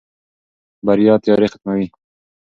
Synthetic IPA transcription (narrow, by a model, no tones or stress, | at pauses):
baɾjɑːt̪jɑːɾexḁt̪̚mawi